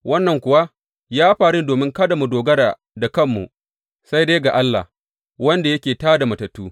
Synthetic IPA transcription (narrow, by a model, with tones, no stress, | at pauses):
wʔɐ˦nːɐ˨ŋkʷʊ˨wa˦ | jaː˦ɸaː˨ɽɪ˦ndoː˨mɪ˦ŋkɐ˦da˨mu˨doː˨ɡɐ˦ɽaː˨ | da˨kɐ˦mːṵ˨ | sa˦jde˦jɡa˨ʔa˦lːa̰˨h | wɐ˦nda˨jɐ˦kʲeː˨taː˦da˨mɐ˨tɐ˨tːuː˦